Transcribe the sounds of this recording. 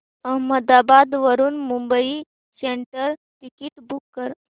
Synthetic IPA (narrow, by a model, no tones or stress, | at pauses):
ɐɦməd̪abad̪ʋəɾunmumbəi | seɳʈəɾ | ʈikiʈbukːəɾ